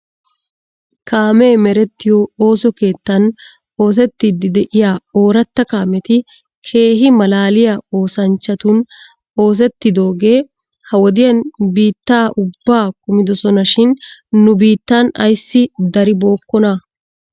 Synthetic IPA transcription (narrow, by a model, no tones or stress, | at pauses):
kaːme̞ːmɛɾɛt̪ːɪjoːo̞ːsɔke̞ːt̪ːɐn | o̞ːs̬ɛt̪ːid̪ɪd̪ɛʔɪjaːo̞ːɾɐt̪ːɐkaːmɛt̪ɪ | kʰe̞ːɦɪmɐlaːlɪjɐo̞ːsɐnt͡ʃːɐt̪ʊn | o̞ːs̬ɛt̪ːɪd̪o̞ːɡe̞ː | hɐwɔd̪ɪjɐnbiːt̪ːaːʔʊbːaːkʊmɪd̪ɔsɔnɐʃɪnːʊbiːt̪ːaːnɐ̰jsːɪd̪ɐɾɪbo̞ːkːɔnɐ